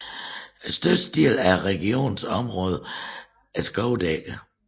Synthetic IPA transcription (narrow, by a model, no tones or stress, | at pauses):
sd̥øsd̥ḭlæɐʁɛɡ̥io̝̰ːnsɒ̽mʁɔ̽ːð̞ˠə | æsɡ̥ɒʊd̥eɡ̥ə